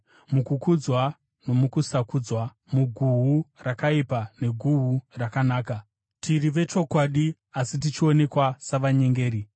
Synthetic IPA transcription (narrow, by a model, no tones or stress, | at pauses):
mukukud͡zwa | no̞mukusakud͡zwa | muɡʱuɦurakaipane̞ɡʱuɦurakanaːka | tʰiriʋe̞t͡ʃo̞kwaɗi | asit̬it͡ʃio̞ne̞kwasaʋaɲe̞ŋɡe̞ːɾi